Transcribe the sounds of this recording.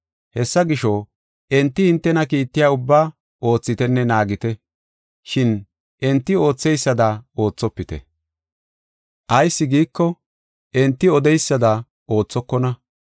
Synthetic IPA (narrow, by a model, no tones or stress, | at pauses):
hɛsːɐɡɪʃɔ | ʔɛnt̪ːɪhɪnt̪ːɛnɐkiːt̪ːɪjaːʊbːaː | ʔo̞ːt͡sːɪt̪ɛnːɛnaːɡɪt̪ɛ | ʃɪn | ʔɛnt̪ːɪo̞ːt͡sːɛjsːɐd̪ɐo̞ːt͡sːɔpːɪt̪ɛ̰ | ʔɐjsːɪɡiːkːɔ | ʔɛnt̪ːɪɔd̪ɛjsːɐd̪ɐ | ʔo̞ːt͡sːɔkːɔnɐ